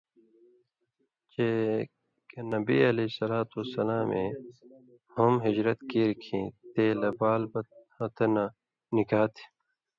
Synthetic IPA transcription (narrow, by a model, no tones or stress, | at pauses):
t͡ɕe | kenɐbiɐlesɐlaːt̪usɐlaːmẽ | humɦid͡ʑɾɐt̪kiːɾkʰĩːt̪eːlɐbaːlbɐt̪̚ | ɐt̪na | nikaːt̪ʰi̥